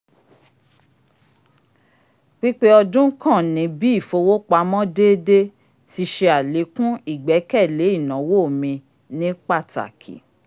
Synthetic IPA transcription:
ɡ͡bi˦k͡pe˦ɔ˧dũ˦kã˦˨nĩ˨˦bi˦i˦˨fo˧wo˦k͡pa˨˦mɔ̃˦deː˦de˦ | ti˧ʃe˧a˨le˨˦kũ˦i˦˨ɡ͡bɛ˨˦kɛ˦˨le˨˦i˦˨nã˨˦wo˦˨mĩ˧ | nĩ˦k͡pa˦˨ta̰˨kʰḭ˨

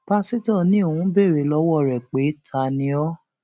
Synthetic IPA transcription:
pa˦si˦tɔ˦˨nĩ˨˦o˦˨wũ˦be˦˨ɾe˨˦lɔ˧˦wɔ˦˨ɾɛ˨k͡pe˨˦tʰa˧˨nĩ˧ɔ˦

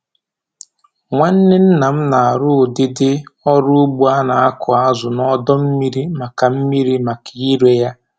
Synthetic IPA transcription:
ŋʷa˦n̩˦nɪ˦n̩˦na˨m̩˦na˨a˨ɾʊ˦˨dɪ˦dɪ˦ɔ˦ɾʊ˦ɡ͡bu˦a˦na˨a˦kʰʊ˨a˦zʊ˨nɔ˦dɔ˦m̩˦mi˦ɾi˦ma˨ka˨m̩˦mi˦ɾi˦ma˨ka˨i˦ɾe˦ja˦

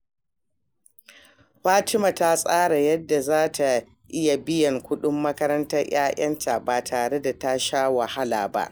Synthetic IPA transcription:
ɸaː˦tɪ˦ma˨ta˦sʼaː˦ɽa˨jɐ˦dːa˨zaː˦tʰa˨ | ʔɪ˦ja˨bɪ˦jɐ˨ŋkʷʊ˦ɗʊ˦mːɐ˦kɐ˦ɾɐ˦ntɐ˦rj̰aː˦ʔɐ˦ntʰaː˨baː˨tʰaː˨ɽe˦da˨ta˦ʃaː˦wa˨ha˦laː˨ba̰˦ʔ

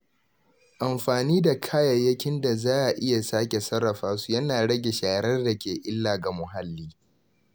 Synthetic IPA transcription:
ʔa˨mɸaː˨niː˦da˨kʰaː˦jɐ˨jːɐ˦kʲɪ˦nda˨zaː˦ʔa˨ʔɪ˦ja˨saː˦kʲe˨sɐ˦ɾːɐ˨ɸaː˦su̥˦jɐ˦naː˨ɽɐ˦ɡʲe˨ʃaː˨˦ɾɐ˦rda˨kʲeː˨ʔɪ˦lːaː˨ɡa˨mʊ˨ɦa˦lːiː˦

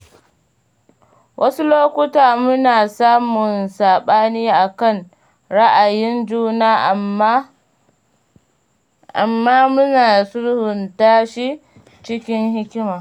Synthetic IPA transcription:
wʔɐ˦su˦loː˦kʷʊ˦taː˨mʊ˦naː˨saː˦mʊ˨nsaː˨ɓaː˦niː˦ʔa˨kɐ˦˨n | ɽa˦ʔa˨jɪ˦nd͡ʒuː˦naː˦ʔ | ʔa˨mːaː˦mʊ˦naː˨sʊ˦ɽhʊ˨ntaː˦ʃi˦ | t͡ʃɪ˦kʲɪ˦ŋhɪ˦kʲɪ˦maː˨

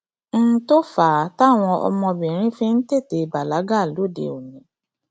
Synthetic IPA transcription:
n̩˦to˦faː˨˦ta˦˨w̃ɔ̃˧ʔɔ̰˧mɔ̃˧bĩ˨ɾ̃ĩ˦fĩ˦n̩˦te˦˨te˨˦ba˨la˨˦ɡa˦˨lo˦˨dḛ˨o˨nĩ˨˦

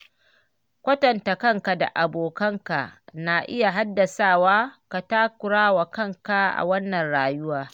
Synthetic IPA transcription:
kʷɐ˦tɐ˨nta˨kɐ˦ŋka˨da̰˨ʔa˨boː˨kɐ˦ŋka˨na˨ʔɪ̰˦ja˨ɦa˦dːɐ˨saː˦˨waː˦ka˨taː˦kʷʊ˨ɽaː˦wa˨kɐ˦ŋka˦ʔa̰˨wɐ˦nːɐ˨nɽaː˨jʊ˦waː˦

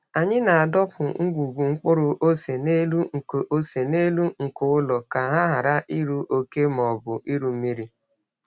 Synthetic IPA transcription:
a˨ɲɪ˦na˨a˨dɔ˦kʊ˨ŋ̩˦ɡʷu˨ɡʷu˨ŋ͡m̩˦k͡pʊ˦ɾʊ˦ʔo˦se˨ne˦lu˦ŋ̩˨ko˨ʔo˦se˨ne˦lu˦ŋ̩˨kʊ˦ʊ˦lɔ˨ka˨ɦa˦ɦa˨ɾa˦ʔi˦ɾu˦ʔo˦ke˦m˨ɔ˨bʊ˨ʔi˦ɾu˨m̩˦mi˦ɾi˦

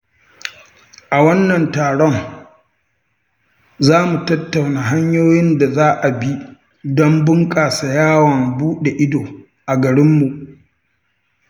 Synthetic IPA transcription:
ʔa˨wɐ˦nːɐ˨ntaː˨ɽɔ˦ŋ | zaː˦mu˨tɐ˦tːa˨wnaː˨ɦa˦ɲjoː˦jɪ˦nda˨zaː˦ʔa˨bi˦ | dɔ˦mbʊ˦ŋkʼaː˨sa˨jaː˦wɐ˨mbuː˦ɗe˨ʔɪ˦doː˨ | ʔa˨ɡɐ˨ɾɪ˦mːu˨ʔ

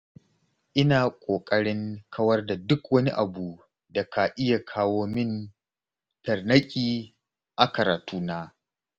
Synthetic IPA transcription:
ʔɪ˦naː˨kʷʼoː˨kʼɐ˦ɽɪ˦ŋkʰɐ˦wɐ˦rda˨dʊ˦kwɐ˦nḭ˦ʔa˨buː˨ | da˨kʰa˨ʔɪ˦ja˨kʰaː˦woː˦mɪ˦n | tɐ˨rnɐ˦kʲʼiː˦ | ʔa˨kɐ˨ɾaː˨tuː˦naː˦

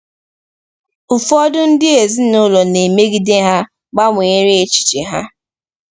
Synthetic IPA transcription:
ʊ˨fɔ˦dʊ˦n̩˦dɪ˦e˨zi˦nʊ˦lɔ˨ne˨me˦ɡi˦de˦ɦa˦ | ɡ͡ba˦mʊ˨ɲe˦ɾe˦e˨t͡ʃi̥˨t͡ʃi˨ɦa̰˦

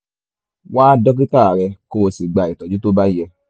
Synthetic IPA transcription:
waː˦dɔ˦k̬i˦ta˦˨ɾɛ˧koː˨si˨ɡ͡ba˨i˨tɔ˨d͡ʒu˦to˦ba˦jɛ˧

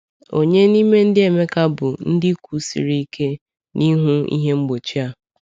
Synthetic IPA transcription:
o˨ɲe˦ni˦me˦n̩˦dɪ˦e˨me˦ka˦bʊ˨n̩˦dɪ˦kʷu˨˦sḭ˨ɾi˦i˦ke˦ | nʔi˦ɦʊ˦ḭ˦ɦe˦ŋ͡m̩˦ɡ͡bo˨t͡ʃi˦a˨

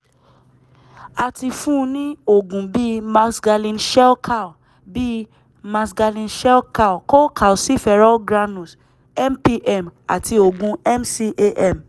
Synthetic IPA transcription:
a˧ti˧fũ˦˧nĩ˦o˦˨ɡũ˨bi˦mã˧sɡa˧lĩ˧˨nʃɛ˦lkʰa˦˨ | bi˦ | mã˧sɡa˧lĩ˧nʃɛ˦lka˦˨ko˦kʰa˨o˨si˦fɛ˧ɾɔ˦ɡɾa˧nũ˨s | ɛ˦mpi˧ʔɛ˦˨ma̰˨ti˧o˨ɡũ˨˧ɛ˦msi˧ʔe˧ʔɛ˦˨m

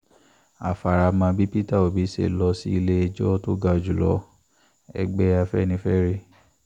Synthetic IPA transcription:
a̰˨fa˨ɾa˨mã˧bi˦pi˦ta˦˨o˨bi˨˦sḛ˦˨lɔ˧si˦i˧le˦e˧d͡ʒɔ˦to˦ɡa˧o˧˨d͡ʒu˨lɔ̰˧˦ | ɛ̰˧ɡ͡bɛ˦a˧fɛ˦nĩ˧˦fɛ˦ɾi˦

